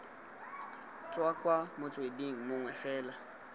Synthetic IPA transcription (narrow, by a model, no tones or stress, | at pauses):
t͡sʼwakʼwamʊt͡sʼwediŋ̩mʊŋwɛfɛːla